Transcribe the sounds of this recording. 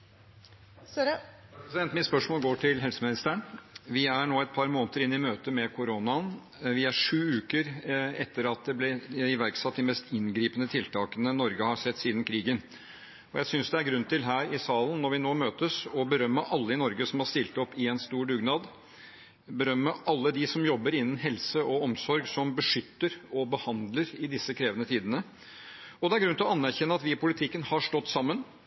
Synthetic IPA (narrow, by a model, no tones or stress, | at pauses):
sɛnt̪mɪspœʂmoːlɡoːʈʰɪlɦɛlsəmɪnɪst̪æːəɳʋɪæɳoːɛt̪̚pʰɑɾmoːnt̪əɾɪnːɪmøːt̪əmɛkʰʊɾoːnɑn | ʋɪæʂʉːʉːkəɾɛt̪ʰːəɾɑt̪̚d̪ɛblɛɪʋæɾksɑt̪̚ːd̪ɪmɛst̪ɪnɡɾiːpənət̪ʰɪlt̪ʰɑːkənənɔɾɡəhɑsɛt̪ːsiːd̪ən̩kʰɾiːɡən | ɔjæɪsʏnsd̪ɛæɾɡɾʉnt̪ʰɪlɦæːɾɪsɑːlən̩ːɔɾʋɪnoːmøːt̪əsɔbəɾœmːəʔɑlːəɪnɔɾɡəsɔmhɑɾst̪ɪlt̪ɔpːɪɛnst̪uːɖʉɡnɑːd̪ | bəɾœmːəʔɑlːəd̪ɪsɔmjɔbːəɾɪnːənɦɛlsəɔɔmsɔɾɡsɔmbəʂʏt̪ːəɾɔbəhɑnd̪ləɾɪd̪ɪsəkʰɾeːʋənət̪ʰiːd̪ənə | ɔd̪ɛæɾɡɾʉnt̪lɔɑnːæɾçɛnːəɑt̪ʋɪpʊlɪt̪ʰɪkːənhɑʂʈɔt̪ːsɑmːən